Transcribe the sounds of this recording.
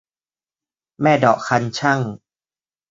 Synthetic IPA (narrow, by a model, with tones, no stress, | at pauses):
mɛː˥˩dɔ̰ː˨˩kʰːa˧nt͡ɕʰa˥˩ŋ